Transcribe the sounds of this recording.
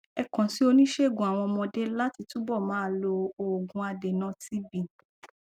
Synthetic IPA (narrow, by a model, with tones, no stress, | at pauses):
ɛ˧kã˨si˨˦o˧nĩ˦ʃe˦˨ɡũ˨a˨w̃ɔ̃˧mɔ̃˧de˦la˦ti˧tũ˦bɔ˦˨mãː˨˦˧lo˧o˨ɡũ˧a˧de˨nã˦ti˦bĩ˨